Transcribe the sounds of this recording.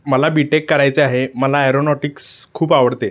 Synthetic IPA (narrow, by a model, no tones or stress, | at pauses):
məlabiʈekːəɾajt͡seaɦeməlaajɾonɔʈikskʰuːpaʋəɽt̪e